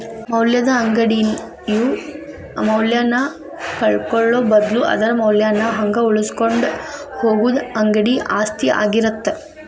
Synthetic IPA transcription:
mɐwljɐd̪ɐːŋɡɐɽi | ju | mɐwljaːnːɐ | kɐɭkoɭːoːbɐd̪luʔɐ̰d̪ɐɾɐmɐwljaːnːɐɦɐŋɡɐuɭuskoɳɖ | hoːɡud̪ɐŋɡɐɽiʔaːst̪ʰia̰ːɡiɾɐt̪ːe

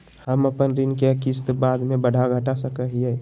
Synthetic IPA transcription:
həməpənɾinkekist̪bad̪mẽbəɽʱaɡʱəʈasəkəɦie

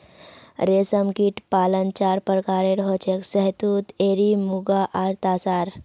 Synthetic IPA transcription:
ɾesəmkiʈpaːlənt͡ʃaɾpəɾkaɾeɾɦot͡ʃeksəɦt̪ut̪eɾimuɡaʔaɾt̪asaɾ

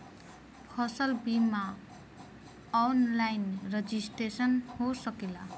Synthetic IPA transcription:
kʰʌsʌlbima | nlajnred͡zisʈesʌnhosʌkila

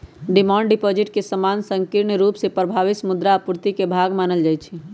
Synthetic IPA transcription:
ɖimãɳɖipod͡ʒiʈkesəmansəŋkiɾɳɾupsepɾəbʱaʋisəmud̪ɾaːpuɾt̪ikebʱaɡmanəld͡ʒajt͡ʃʰi

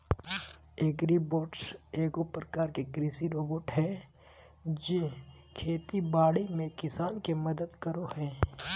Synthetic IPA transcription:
eːɡɾiboːɖseːɡopɾəkaːɾkeɡɾiːsiɾoːboːʈɦɛ | d͡ʒẽ | kʰeːt̪ibaːɽimẽkɪsaːnkemɐd̪əd̪kəɾohɛ̃ː

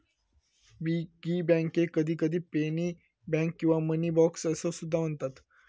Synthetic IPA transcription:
biɡibɛ̃ŋkekəd̪ʱiːkəd̪ʱiːpeni | bɛ̃ŋkːĩw̃ʋaməniːbɔksəsəsud̪ʱːam̤əɳt̪at̪

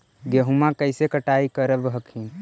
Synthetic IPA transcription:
ɡeɦumakəɪsekəʈaikəɾəbɦəkhĩ

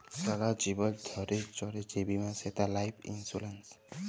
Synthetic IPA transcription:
saɡad͡ʒibɔld̪ʱɔɾet͡ʃɔɾed͡ʒebimãset̪alajpʰḭnsulens

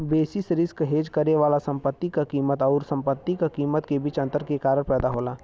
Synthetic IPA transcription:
beːsɪsɾɪskɦeːd͡ʒkəɾneʋaːlasɐ̃mpət̪ːikakiːmət̪ɔːɾsɐ̃mpət̪ːikakiːmət̪kebʱiːt͡ʃɐ̃nt̪əɾkekaːɾəɾpɛːd̪aɦoːlaː

